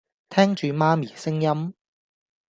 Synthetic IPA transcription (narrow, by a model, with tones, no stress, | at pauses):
t̪ʰɛː˥ŋt͡ʃyː˨maː˥miː˨˩sɪ˥ŋjɐ˥m